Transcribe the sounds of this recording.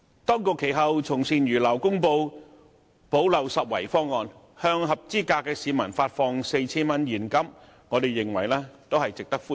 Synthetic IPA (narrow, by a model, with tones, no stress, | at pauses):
t̪ɔː˥ŋkʊ˨˧kʰːe˨˩jɦɐ˨wt͡sʰʊ˨˩ŋsiː˨njyː˨˩lɐ˨˩wkʊ˥ŋpo˧w | po˨˥wlɐ˨˩wsɐ˨t̚wɐ̰˨˩jfɔː˥ŋːɔː˨˧n | hœː˧ŋɦɐ˨p̚t͡siː˥kaː˧kːɛː˧siː˨˧mɐ˨˩nfaː˧t̚fɔː˧ŋse˧jt͡sʰiː˥nmɐ˥njiː˨˩nkɐ˥m | ŋɔː˨˧t̪e˨˩jːɪ˨ŋwɐ˨˩jlɛː˥t̪o˥whɐ˨jt͡sɪ˨k̚t̪ɐ˥k̚fuː˥